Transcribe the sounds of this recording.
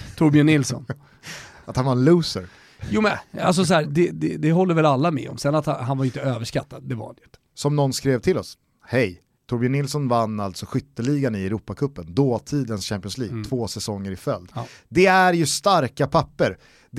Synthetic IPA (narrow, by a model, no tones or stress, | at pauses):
t̪ʰʊɾbɪənɪlsɔ̰n | at̪hanvaɾɛnlʉːsəɾ | juːmɛnals̬ɔs̬ɔhæːd̪ɛd̪ɛd̪ɛɦɔlːəɾvɛlalːamɛ̰ɔ̰msɛnːat̪ɦanvaɾʏnt̪əøːvəʂkat̪ːad̪̚ːɛva̰ɾha̰njʏnt̪ːəsɔmnɔnːskɾeːvt̪ʰɪlɔs | hɛj | t̪ʰʊɾbɪənɪlsɔnvanːalt̪sɔɧʏt̪ːəɭiːɡanɪɛɾuːpːakʰɵpːənd̪oːt̪ʰiːd̪ənsɕæmpɪɔnsliːɡ̚t̪ʰv̥oːsɛsɔŋːəɾɪfœld̪d̪ɛæɾjɵst̪aɾkapʰapːəɾ | d̪